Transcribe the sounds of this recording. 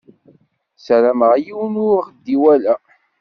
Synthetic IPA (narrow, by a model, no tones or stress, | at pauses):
sɾæməʁjiwnʊχd̪ːiwælæ